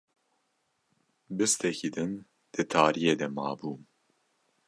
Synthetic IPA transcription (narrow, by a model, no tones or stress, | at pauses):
bɨst̪ʰɛkiːd̪ɨn | d̪̥ɨt̪ʰaːɾijeːd̪ɛmɑ̰ːbuː